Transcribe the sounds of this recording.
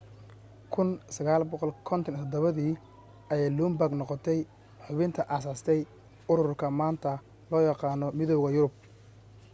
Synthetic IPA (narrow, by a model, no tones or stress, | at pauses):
kʰʊnsɐɣaːlbɔqɔlkʰɔnt̪ʰɔnt̪ʰɔd̪ɔβɐðiː | ɐjɛːjluːmbaɡnɔqɔt̪ʰɛj | ħʊβɪnt̪ʰɐʔaːsaːst̪ʰɛj | ʊɾʊʊrkʰɐmaːnt̪ʰɐ | lɔːjɑqɑːnɔmɪðɔwɣɐjʊɾʊb̚